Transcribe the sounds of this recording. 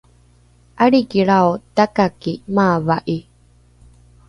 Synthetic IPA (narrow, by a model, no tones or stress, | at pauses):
ʔaɽikiɭaot̪akakimaːvaʔi